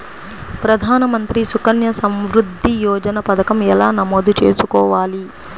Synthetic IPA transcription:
pɾɐd̪ʱaːnɐmɐnt̪ɾisukɐnjɐsɐmʋɾud̪ʱːijɔːd͡ʒɐnɐpɐt̪ɐkɐmɛlaːnɐmoːd̪ut͡ʃe̞ːsukɔːʋaːli

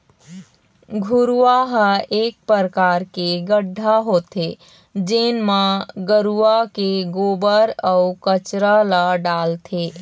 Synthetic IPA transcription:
ɡʱuɾuaɦəek̚pɾəɾəkaɾkeɡəɖʱːaɦot̪ʰe | d͡ʒenmaɡəɾuakeɡobəɾəukət͡ʃɾaləɖalt̪ʰe

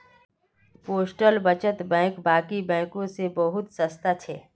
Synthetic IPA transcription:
poːsʈəlbət͡ʃət̪bɛ̃ːkbaːkibɛ̃ːkõsebəɦʊt̪səst̪at͡ʃʰeː

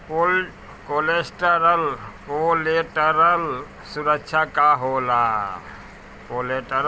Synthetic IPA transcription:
ko | kolesʈəɾəlkoleʈəɾəl | suɾəkt͡ʃʰakaɦola | koleʈəɾ

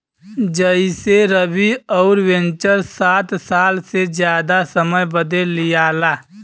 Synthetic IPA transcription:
d͡ʒəiseɾəbiɔːʊɾwẽnt͡ʃəɾsaːt̪saːlsed͡ʒjaːd̪asəməjbəd̪elɪjaːlaː

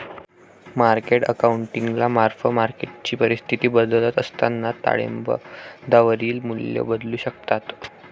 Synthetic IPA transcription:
maɾkeʈə̰kauɳʈiŋɡlamaɾfəmaɾkeʈ̚t͡ɕiːpəɾist̪ʰit̪iːbəd̪əlat̪əst̪anːat̪a̰ɭḛmbə̰d̪aʋəɾiːlmuljə̰bəd̪luːɕəkt̪at̪

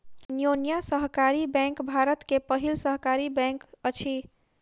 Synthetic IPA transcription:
njonjasəɦkaɾibɛ̃ŋkbʱaɾət̪kepəɦilsəɦkaɾibɛ̃ŋkət͡ʃʰi

